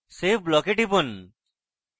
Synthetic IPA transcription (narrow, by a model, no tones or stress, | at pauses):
sepblɔkeʈibon